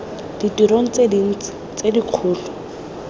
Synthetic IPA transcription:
d̥itiɾoŋ̩t͡sedin̩t͡sɪ̥t͡sediq͡χʰʊːlɔ

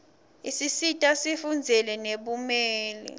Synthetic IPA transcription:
isisitʼasifund͡zʱɛlɛneɓumɛːlḭ

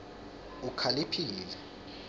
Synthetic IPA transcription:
ukʰalipʰiːlɛ

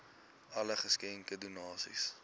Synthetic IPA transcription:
ɐləχəskɛŋkədunɑːsḭs

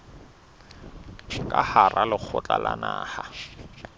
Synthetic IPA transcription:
kʼaharʔalɪk͡xʰʊt͡ɬʼalanaːha

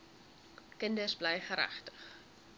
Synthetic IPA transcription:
kəndəsblɛjχəɾæ̰χtə̥χ

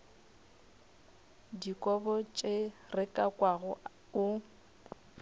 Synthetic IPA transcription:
dikʼɔbɔt͡ʃʼerɪkʼakʼwaɣʊ | ʊ

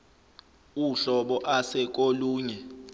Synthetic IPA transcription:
uɬɔɓɔʔasɛk̬ʼoluːɲɛ

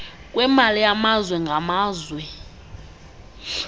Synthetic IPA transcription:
kʼwɛmalijamazwɛŋɡʱamaːzwɛ

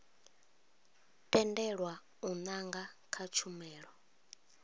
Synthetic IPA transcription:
tʼɛndɛɺwa | unaŋɡakʰat͡ʃʰumɛːɺwɔ

